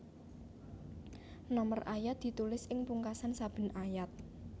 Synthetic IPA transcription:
nɔmərʔajat̪̚d̪̥i̤t̪ulɪsɪŋpuŋkasansab̥ə̤nʔajat̪̚

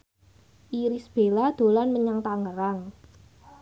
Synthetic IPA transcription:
ʔiɾisb̥e̤lad̪̥o̤lanməɲaŋt̪aŋəɾaŋ

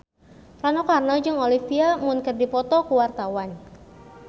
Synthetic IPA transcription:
ɾanɔkarnɔd͡ʒɨŋolifiamʊnkərdipɔt̪ɔkuwart̪awan

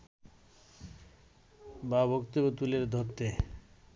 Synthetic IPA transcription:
babokt̪obot̪uleɾd̪ʱot̪ːe

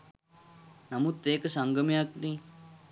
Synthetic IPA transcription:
nɐmut̪ːeːkɐsɐŋɡɐmijakni

